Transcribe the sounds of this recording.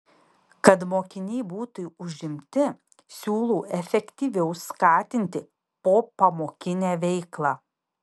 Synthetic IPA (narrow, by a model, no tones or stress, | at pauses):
kɐt̪moːkʲɪnʲɛɪbuːt̪ʊʊʒʲɪmʲt̪ʲɪ | sʲuːlˠuːʔɛfʲɛkʲt̪ʲiːʋʲɛʊskɑːt̪ʲɪnʲt̪ʲɪ | poːpɐmoːkʲɪnʲæːʋʲɛɪklˠɑː